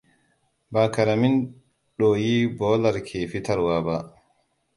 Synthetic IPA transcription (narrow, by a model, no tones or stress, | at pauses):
bakaɾamin | ɗɔjibɔːlaɾkʰeːfitaɾwaba